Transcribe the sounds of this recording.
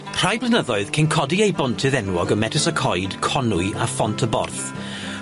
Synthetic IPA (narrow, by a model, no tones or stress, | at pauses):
r̥ajblˠɪnəðɔɨð̥kʰenkʰɔdiejbɔntʰɨðɛnwɔɡəmɛtʰɪsəkʰɔjd̥kʰɔnʊɨafɔntʰəbɔ̰rθ